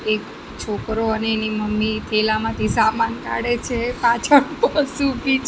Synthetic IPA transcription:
ek | t͡ʃʰokɾoəneːniməmːit̪ʰelamãt̪ʰisamanka̰ɽet͡ʃʰepat͡ʃʰəɳpəsupit͡ʃ

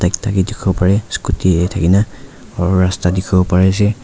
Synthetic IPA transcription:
tajk̚tʰakidikʰɔɔpaɹɛskutiɛtʰakina | ɔɹastadikʰɔbɔpaɹɛsɛ

